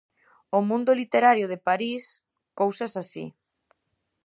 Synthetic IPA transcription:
ʊmũnd̪ʊlit̪eɾaɾjʊð̞epaɾis | kowsɐsasḭ

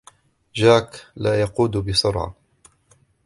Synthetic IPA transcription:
d͡ʒaːklaːjɑquːd̪bɪsʊɾʕɑ̰

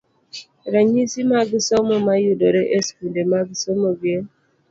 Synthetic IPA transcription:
ɾaɲisimaɡisɔmomajudoɾeʔeskundemaɡisɔmobje

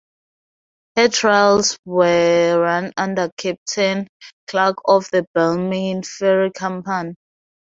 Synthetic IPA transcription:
hɛtʰɹalswɛɹãnãndəkʰɛp̚tʰɛ̃nkʰlakʰɔfðəbɛlmĩnfɛɹikʰãmpãn

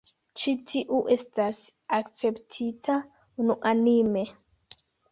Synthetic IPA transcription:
t͡ʃitʰiʔuʔestasakt͡se̞ptʰitʰa | unuʔanime

